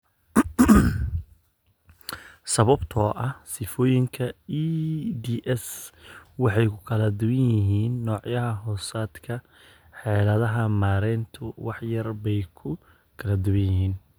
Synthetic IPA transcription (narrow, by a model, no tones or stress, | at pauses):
sɐβɐbt̪ʰɔːʔɐhsɪfɔːjɪŋkʰɐid̪iːʔɛs | wɑħɑjkʰʊ̥kʰɐlɐd̪ʊβɪjɪɦiːnːɔːʕjɐɦɐɦɔːsaːd̪kʰɐ | ħɛːlɐðɐɦɐmaːɾɛnt̪ʰʊwɑħjɐrbɛjkʰʊ | kʰɐlɐd̪ʊβɪjɪhiːn